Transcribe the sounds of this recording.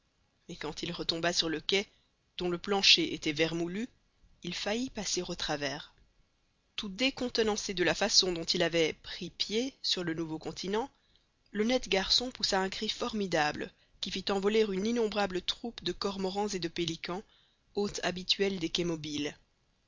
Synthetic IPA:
mɛkɑ̃t̪ilʁət̪ɔ̃basyʁləkʲɛ | d̪̥ɔ̃ləplɑ̃ʃeʔet̪ɛvɛʁmuly | ilfajipaseʁot̪χavɛːʁ | t̪ud̪ekɔ̃t̪ənɑ̃sed̪əlafasɔ̃d̪ɔ̃t̪ilavɛpχipjesyʁlənuvokɔ̃t̪ʰinɑ̃ | lɔnɛt̪ɡaʁsɔ̃pusaɛ̃kχifɔʁmid̪ablə | kʲifit̪ɑ̃vɔleʁyninɔ̃bʁablət̪χupd̪əkɔʁmɔʁɑ̃zed̪əpelikɑ̃ | ot̪ʰa̰bit̪ɥɛld̪ekɛmɔbil

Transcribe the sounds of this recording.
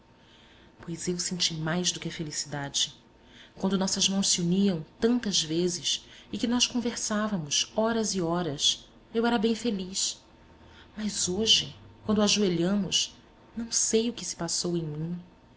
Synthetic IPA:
pojzewsẽnt͡ʃimajzd̪ʊkɪɐfelisid̪ad͡ʒɪ | kwɐ̃nd̪ʊnɔsɐzmɐ̃w̃ʃsiuniɐ̃w̃t̪ɐ̃nt̪ɐzvezɪsɪkɪnɔskõveɾsavɐmʊsɔɾɐzɪɔɾɐs | ewɛɾɐbẽj̃feliʃ | mɐzoʒɪkw̃nd̪ʊaʒueʎɐ̃mʊs | nɐ̃w̃sejʊkɪsɪ̥pasowẽj̃mĩ

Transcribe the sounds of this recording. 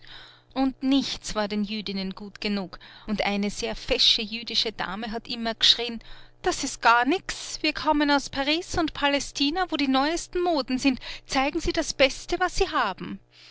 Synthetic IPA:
ʔʊndnɪçt͡sv̥aːɐdeːnjyːdɪnənɡ̥uːtɡ̥ənuːkʊntʔa̰ɪnəz̥eːɐfɛʃəjyːdɪʃəda̰ːməɦatʔɪmɐɡ̥əʃʁ̥iːənd̥asɪst̚ɡ̥aːɐnɪksv̥iːɐkʰɔmənaʊspʰaʁiːsʊntpʰalɛstʰiːnavoːɾiːnɔʏəstn̩moːdn̩zɪntt͡saɪɡŋ̩z̥iːdasb̥ɛstəvasːiːɦaːb̥m̩

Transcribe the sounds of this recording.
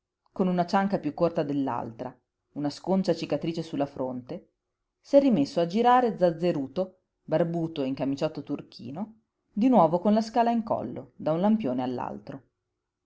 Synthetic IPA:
konunat͡ʃaŋkapjukːort̪ad̪elːa̰lt̪ɾa | unaskont͡ʃat͡ʃikat̪ɾiːt͡ʃesulːafɾont̪e | sɛrːimesːoad͡ʒiɾaːɾed̪zad̪zːeɾuːt̪o | barbuːt̪oiŋkamit͡ʃɔt̪ːot̪urkʰḭːno | d̪inwɔːvokonlaskaːlaiŋkɔ̰lːod̪aunlampjoːnealːa̰lt̪ɾo

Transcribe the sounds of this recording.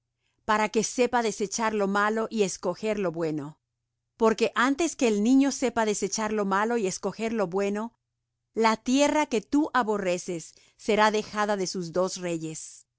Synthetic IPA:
paɾake̞se̞paðe̞se̞t͡ʃaɾlo̞malo̞ʔie̞sko̞xe̞ɾlo̞βwe̞no̞ | po̞ɾke̞ʔant̪e̞ske̞ːlnĩɲo̞se̞paðese̞t͡ʃaɾlo̞malo̞iesko̞xe̞ɾlo̞βwe̞no̞ | lat̪je̞rake̞t̪uʔaβo̞re̞se̞sː | e̞ɾaðe̞xaðaðe̞suzd̪o̞sre̞ʝe̞s

